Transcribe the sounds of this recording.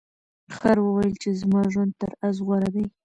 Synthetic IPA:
xaɾwəwajəlt͡ʃezmɑʒwand̪̚t̪əɾazɣwaɾad̪aj

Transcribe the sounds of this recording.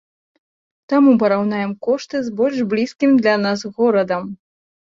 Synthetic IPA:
t̪amup̬ɐɾawnajɛmkɔʂt̪ɨzbɔlʲʂblʲiskʲimd̪lʲanasɣɔɾɐd̪ɐm

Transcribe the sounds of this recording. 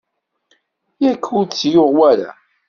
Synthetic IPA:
jækʰːut͡sːjoʁwæɾa̰

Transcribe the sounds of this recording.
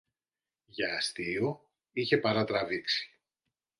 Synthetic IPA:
ʝɐːst̪io | içe̞pɐɾɐt̪ɾɐviksi̥

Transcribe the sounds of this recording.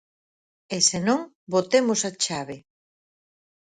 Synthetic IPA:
esenõŋ | bot̪emʊsat͡ʃaβe

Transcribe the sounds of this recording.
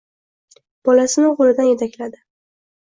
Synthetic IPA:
b̥ɒlasɪnɪʁʊlɪd̪anje̞t̪ʰakʲlad̪ɪ

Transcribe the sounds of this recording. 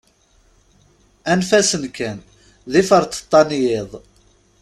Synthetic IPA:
ænfæsənkæn | ðifəɾt̪ə̥t̪ˤːɑnjɪðˤ

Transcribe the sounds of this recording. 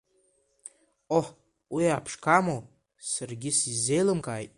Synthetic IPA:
oħ | wijapʰʂkʰamo | sɨrɡʲisizːejlɨmkajtʼ

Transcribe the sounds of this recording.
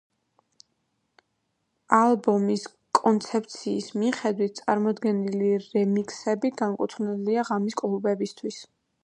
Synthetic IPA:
alˠbɔmis | kʼɔnt̪sʰɛp̚ʰt̪sʰiːsmiχɛd̪wit̪̚ʰt̪sʼaɾmɔd̪ɡɛniliɾɛmikʼsɛbiɡaŋkʼut̪ʰnɛliaʁamiskʼlˠubɛbist̪ʰwis

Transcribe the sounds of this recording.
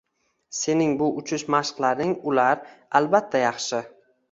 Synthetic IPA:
se̞nɪŋbʊʔʊt͡ʃʰɪʃmaʃqlaɾnɪŋʊlaɾalbat̪ʰːajɑχʃɪ

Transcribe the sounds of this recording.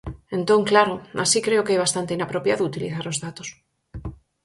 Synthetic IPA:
ẽnt̪oŋklaɾoasikɾeokejβ̞ast̪ant̪einapɾopjaðout̪iliθaɾozðat̪os

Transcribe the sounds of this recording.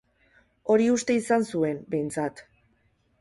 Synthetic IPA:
o̞ɾiust̪e̞isansue̞mbe̞jnt͡sat̪

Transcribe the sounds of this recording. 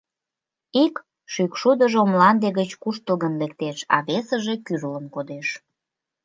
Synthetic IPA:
ik | ʃykʃud̪əʒomlɑnd̪eɣət͡ɕkuʃt̪əlɣənlek̚t̪eʃɑ̰βesəʒe̽kyrləmkod̪eʃ

